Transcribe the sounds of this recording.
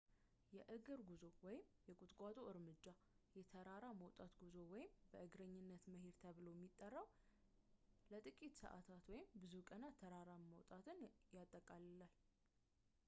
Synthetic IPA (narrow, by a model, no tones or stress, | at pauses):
jɛʔɨɡɨɾɡuzo̞wɔjɪmjɛkʼʊt̪ʼkʼat̪ʼoʔɨɾmɨd͡ʒːajɛt̪ʰəɾaɾaməwt̪ʼat̪ɡuzowɔjɪmbəʔɨɡɾəɲːɪnːət̪məɦed̪t̪ʰəβɨlojɛmːit̪ʼːərːəw | lət̪ʼɨkʼit̪sə̰ʔa̰t̪ʰat̪wɔjɪmbɨzukʼənat̪ʰːəɾaɾaməwt̪ʼat̪ʰɨnjat̪ʼːəkʼallal